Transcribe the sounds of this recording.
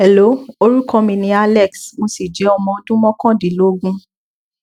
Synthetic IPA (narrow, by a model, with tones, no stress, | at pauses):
ɛ˨lo˨˦o˧ɾu˦kɔ̃˦mĩ˧nĩ˧˦a˧lɛ˦˨ksmo˧si˨d͡ʒɛ˨˦ɔ˧mɔ̃˧dũ˦mɔ̃˦kɔ̃˦˨di˨˦lo˨˦ɡũ˦